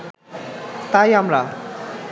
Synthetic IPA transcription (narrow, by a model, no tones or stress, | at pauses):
t̪ajamla